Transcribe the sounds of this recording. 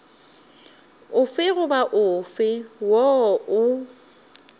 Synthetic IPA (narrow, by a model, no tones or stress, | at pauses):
ʊfɪɣʊbaʔʊfɪwɔʔʊ